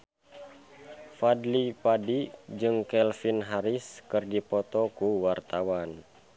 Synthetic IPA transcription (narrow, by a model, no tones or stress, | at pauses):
fadlipadid͡ʒɨŋkɛlfinɦaɾiskɨrdipɔt̪ɔkuwart̪awan